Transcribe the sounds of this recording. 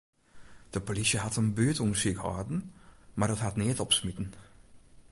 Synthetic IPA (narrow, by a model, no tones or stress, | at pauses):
d̥əpolisəhatənbøːtunʃikhɑ̰ːdn̩maːdɔthatneːtɔpsmɪtn̩